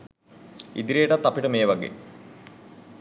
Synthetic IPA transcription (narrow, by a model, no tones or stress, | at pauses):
ḭd̪iɾeːʈɐt̪ːɐpiʈəmeːʋɐɡḛː